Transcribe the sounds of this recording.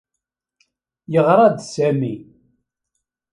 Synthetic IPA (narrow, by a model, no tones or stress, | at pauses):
jəʁɾˤɑd̪sæmi